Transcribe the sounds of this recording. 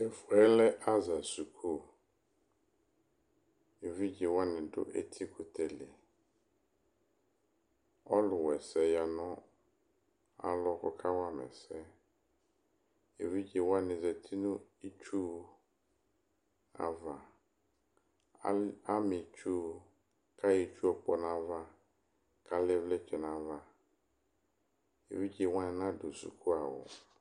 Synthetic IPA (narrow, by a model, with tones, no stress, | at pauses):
ɛ˨fʊ˨ɛ˦lɛ˦ʔa˦za˨su˨kʰo˦ | e˨vi˦d͡ʒe˨wa˦nɪ̃˨dʊ̰˦ʔɛ̰˦t̪ʰi˦kʰo˨t̪ʰɛ˨lɪ˨ | ɔ˦lʊ˨wɛ˨sɛ˦ja˨nɔ̃˦ | a̰˨lɔ˦kɔ˦kʰa˦wa˦mɛ̰˨sɛ˦ | e˨vi˦d͡ʒe˨wa˦nɪ̃˨zɛ˨t̪ʰi˦nʊ̃˦i˦t͡ʃu˦ | a̰˨va˨ | a˦mɪ̃˨t͡ʃu˦ | kʰa˦je˨t͡ʃu˦ɔ˨k͡pɔ˨nã˦va˦ | kʰa˨lɪ˦vlɛ˦t͡ʃʰɛ˨nã˨va˦ | ḛ˨vi˦d͡ʒi˨˦wã˦˨nã˦du˨sṵ˨kʰu˦a˨wʊ̰˨